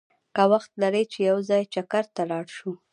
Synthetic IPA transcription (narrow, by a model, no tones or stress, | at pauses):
kawaxt̪̚naɾejt͡ʃejawzɑjt͡ʃakaɾt̪alɑɽʃu